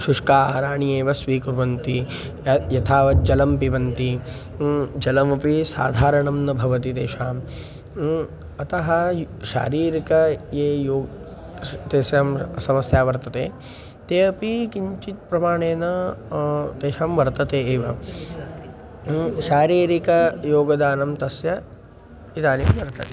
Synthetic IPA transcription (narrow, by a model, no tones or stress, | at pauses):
ʃuʂkaːɦɐɾaːɳijeːʋɐsʋiːkuɾʋɐnt̪i | jɐt̪ʰaːʋɐd͡ʒɐlɐmpiʋɐnt̪i | d͡ʒɐlɐmɐpisa̰ːd̪ʱaːɾɐɳɐmnɐbʱɐʋɐt̪it̪eːʃaːm | ɐt̪ɐɦɐ | ʃa̰ːɾiːɾikɐjeːjoːɡ | t̪eːsjaːmsɐmɐsjaːʋɐɾt̪ɐt̪eː | t̪eːɐpikiɲt͡ʃit̪̚pɾɐmaːɳeːnɐ | t̪eːʃaːmʋɐɾt̪ɐt̪eːeːʋɐ | ʃaːɾiːɾikɐjoːɡɐd̪aːnɐmt̪ɐsjɐ | it̪aːnimʋɐɾt̪ɐt̪eː